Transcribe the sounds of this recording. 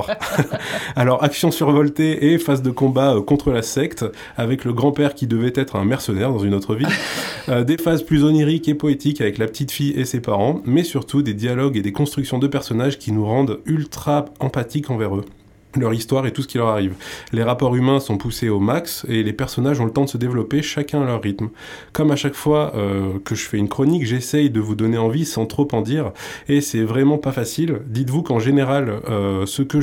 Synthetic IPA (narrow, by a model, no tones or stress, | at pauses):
alɔʁaksjɔ̃syʁvɔlt̪eʔefazd̪əkɔ̃baøkɔ̃t̪χəlasɛkt̪ | avɛkləɡʁɑ̃pɛʁkʲid̪əvɛt̪ɛt̪χɛ̃mɛʁsənɛʁd̪ɑ̃zynot̪χəviød̪efazplyzɔniʁikepɔet̪ikavɛklapə̥t̪it̪fijesepaʁɑ̃mɛsyʁt̪ʰud̪ed̪jalɔɡed̪ekɔ̃st̪χyksjɔ̃d̪əpɛʁsɔnaʒkʲinuʁɑ̃d̪ylt̪χaɑ̃pat̪ikɑ̃vɛʁø | lœʁist̪waʁet̪usə̥kʲilœʁaʁivleʁapɔʁymɛ̃sɔ̃puseomakselepɛʁsɔnaʒɔ̃lət̪ɑ̃d̪əsəd̪evlɔpeʃakʲɛ̃alœʁːit̪m | kɔmaʃakfwaøkəʒəfɛynkχɔnikʒesɛjd̪əvud̪ɔneɑ̃visɑ̃t̪χopɑ̃d̪iʁesɛvʁɛmɑ̃pafasild̪it̪vukɑ̃ʒeneʁaløsəkə